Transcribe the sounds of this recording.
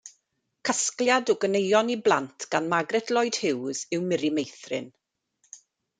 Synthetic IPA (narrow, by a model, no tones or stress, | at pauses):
kʰəskljadɔɡənejɔniblˠa̰ntʰɡ̥anmaɡrɛtʰlˠɔjd̥hɪwz̥ɪwmɪɾimejθrɪ̰n